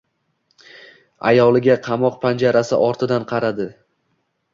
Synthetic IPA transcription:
a̰jɒlˠɪɡʲaqʰɑmɒqpʰand͡ʒaɾasɪ̰ʔɒɾt̪ʰɪd̪anqʰɑɾad̪ɪ

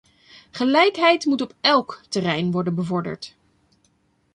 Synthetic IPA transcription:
χəlɛjkɦɛjtmutɔpɛlˠktərɛjnʋɔɹdənbəvɔɹdə̰ɹt

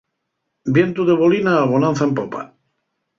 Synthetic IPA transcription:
bjent̪uðeβolinaːβonãnθaempopa̰

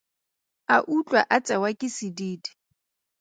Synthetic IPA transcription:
aʔut͡ɬʼwaʔat͡sʼɛwakʼɪsidiːdi̥

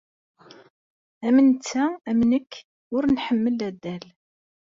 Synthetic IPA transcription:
æmənt͡sːææmnəkː | ʊɾnħəmːəlæd̪ːæl

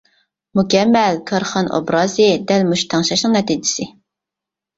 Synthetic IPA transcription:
mukʲɛmːɛlkʰɑɾχɑnʔo̰bɾɑːzɨd̪ɛlmuʃt̪ʰɑŋʃɑʃnɨŋnɛt̪id͡ʒɪsɪ

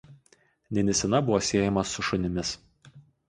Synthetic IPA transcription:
nʲɛnʲɛsʲɛnɐbʊʋoːsʲeːjɛmɐsʊʃʊnʲɪmʲɪs

